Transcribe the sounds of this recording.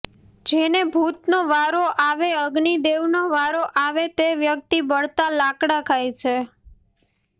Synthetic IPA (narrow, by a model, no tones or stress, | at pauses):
d͡ʒenebʱut̪noʋaɾoʔaʋeəɡɳid̪eʋnoʋaɾoʔaʋet̪eʋjək̚t̪ibəɭt̪alakɽakʰajt͡ʃʰe